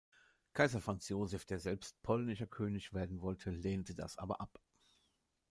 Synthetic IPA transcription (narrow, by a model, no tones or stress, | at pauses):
kʰaɪzɐfʁ̥ant͡sjoːzɛfd̥eːɐzɛlpst̚pʰɔlnɪʃɐkʰøːnɪçv̥eːɐdn̩vɔltʰəleːntəda̰sʔa̰ːbɐ̰ʔap